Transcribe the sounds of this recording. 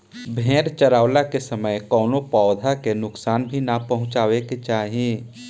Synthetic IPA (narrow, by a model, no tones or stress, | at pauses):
bʱẽːɾt͡ʃəɾaːwlakesəməjkɔːnopɔːd̪ʱakenʊksaːnbʱinapɐɦʊ̃t͡ʃaːʋeket͡ʃaːɦiẽ